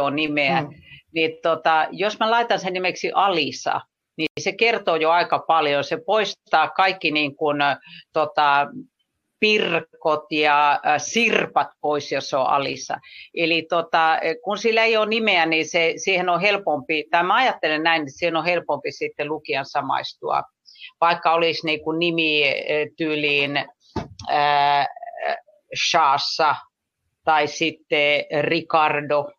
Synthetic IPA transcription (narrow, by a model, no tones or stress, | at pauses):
onimeænit̪ot̪ɑjosmælɑit̪ɑnsennimeksiʔɑlisɑ̰ | nisekert̪oːjoɑikɑpɑljosepoistt̪ɑːkɑikːiniːŋkunt̪ot̪ɑ | pirkot̪jɑsirpɑt̪poisjosoʔɑ̰lḭsɑ̰ʔelit̪ot̪ɑkunsilːæeijonimeænisesiːhenohelpompit̪ɑimæɑjɑt̪ːelennæinisiːhenohelpompisit̪ːelukiɑnsɑmɑ̰ist̪uɑ̰ | ʋɑikːɑoliˑsniːkunnimit̪yːliːn | əː | ʃɑːsːɑ | t̪ɑisit̪ːerikɑrdo